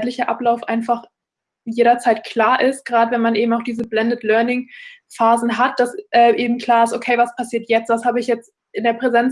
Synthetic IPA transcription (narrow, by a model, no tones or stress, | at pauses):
tlɪçɐʔaplaʊfʔa̰ɪnfaχ | jeːɾɐt͡saɪtkʰl̥aːɐʔɪstɡ̥ʁaːdəvɛnmanʔeːbm̩aʊxd̥iːzəblɛndətlœɐnɪŋ | faːzn̩ɦat̚d̥asʔɛːʔeːbm̩kʰl̥aːɐɪstʔokʰeɪvaspʰasiːɐtjɛt͡stv̥ashaːbəɪçjɛt͡st | ɪndeːɐpʁ̥ɛzɛnt͡s